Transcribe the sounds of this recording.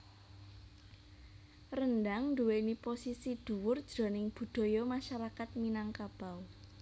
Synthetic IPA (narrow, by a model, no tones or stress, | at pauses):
rəndaŋnduweniposisid̪̥ṳwʊrd̥d͡ʒ̥ɾɔ̤nɪŋb̥ṳd̪̥o̤jɔmaʃaɾakat̪̚minaŋkab̥a̤w